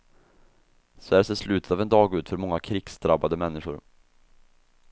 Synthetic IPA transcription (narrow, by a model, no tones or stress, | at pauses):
sɔæːʂeːʂlʉ̟ːt̪ə̥t̪aːvɛnd̪ɑːɡʉ̟ːt̪fœɾmɔŋːakʰɾiːɡsd̪ɾabad̪əmɛnːɪɧʊɾ